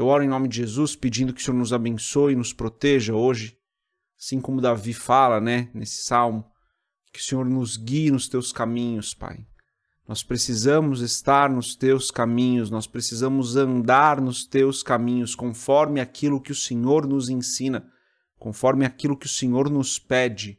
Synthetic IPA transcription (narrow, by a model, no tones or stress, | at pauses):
ewɔɾʊẽnõmɪd͡ʒɪʒezusped͡ʒĩnd̪ʊkɪʊsẽoɾnʊzabẽsoɪnʊspɾot̪eʒɐoʒɪ | asĩkõmʊd̪avifalɐnɛnesɪ̥sawmʊ | kɪʊ̥sẽɲoɾnʊzɡiɪnʊst̪ewskamĩɲʊspa̰j | nɔspɾesizɐ̃mʊzest̪aɾnʊst̪ewskamĩɲʊsnɔspɾesizɐ̃mʊzɐ̃nd̪aɾnʊst̪ewskamĩɲʊskõfɔɾmɪakʰilʊkɪʊsẽɲoɾnʊzẽsĩnɐ | kõfɔɾmɪakilʊkɪʊsẽɲoɾnʊspɛd͡ʒɪ